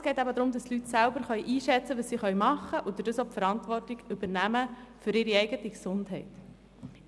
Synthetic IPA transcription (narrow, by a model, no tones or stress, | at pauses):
sɡɛɪtæbəd̪ɾʊmd̥̪ɑstlytsælbəɾχœʏʔiːʃɛt͡səʋəssiχœʏmɑχəʔʊd̪ədəsɔpfəɾɑntʋɔrtiɡʉbəɾnæməfʏɾɪɾiɛɪɡətiksʊndɦɛɪt